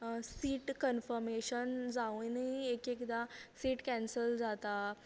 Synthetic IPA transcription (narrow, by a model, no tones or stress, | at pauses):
siːʈkənfəɾmeɕənd͡zaʋũniekekd̪asiːʈkɛ̃nsəld͡zat̪a